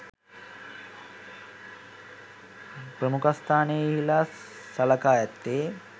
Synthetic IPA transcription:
prəmukast̪ʰaːneiɦilaː | salɐkaːjɛt̪ːeː

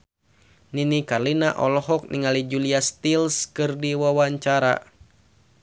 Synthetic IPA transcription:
ninikarlinaʔɔlɔɦɔk̚niŋalid͡ʒuliast̪ilskɨrdiwawaɲt͡ʃaɾa̰

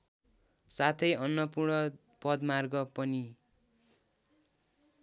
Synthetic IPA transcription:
sat̪ʰʌjʌnːʌpurɳʌ | pʌd̪marɡʌpʌni

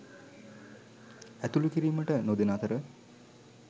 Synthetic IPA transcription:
æt̪ulukiɾiːməʈənod̪enaːt̪əɾə

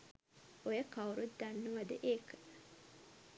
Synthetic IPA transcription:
ojəkauɾut̪d̪anːuʋad̪əʔeːkə̥

